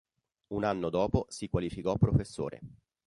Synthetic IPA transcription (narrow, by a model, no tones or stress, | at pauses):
unanːod̪ɔːposikwalifikɔpːɾofesːo̰ːɾʔḛ